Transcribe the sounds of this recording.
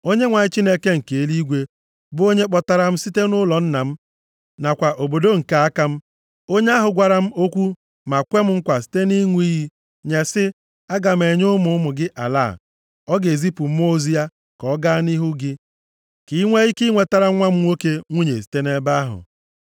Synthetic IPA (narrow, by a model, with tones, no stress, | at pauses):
o˦ɲe˦ŋʷa˨ɲɪ˦t͡ʃi˦ne˦ke˦ŋ̩˨ke˨e˦li˦ɡʷe˦ | bʊ˦o˦ɲe˦k͡pɔ˨ta˨ɾa˨m̩˦si˦te˦nʊ˦lɔ˨n̩˦na˨m̩˦ | na˨kʷa˨ʔo˨bo˨do˦ŋ̩˨ka˨a˦ka˦m̩˦ | o˦ɲe˦a˦ɦʊ˨ɡʷa˨ɾa˦m̩˦o˦kʷu˦ | ma˨kʷe˦m̩˦ŋ̩˦kʷa˨si̥˨˦te˦ni˦ŋʷ˦i˦ɦi˦ | ɲe˨sɪ˦ | a˦ɡa˨m̩˦e˨ɲʊ˦mʊ˦mʊ˨ɡɪ˦ʔa̰˨la̰˦˨ | ɔ˦ɡe˨zi˦pʊ˨m̩˦o˦zi˦a˦ | kɔ˨˦ɡa˦ni˦ɦu˦ɡɪ˦ | ki˨˦ŋʷe˦i˦ki˦ŋʷe˨ta˦ɾa˦ŋʷa˦m̩˦o˦ke˦ŋʷu˦ɲe˨s̬i̥˨te˦ne˦ba˦ɦʊ̰˨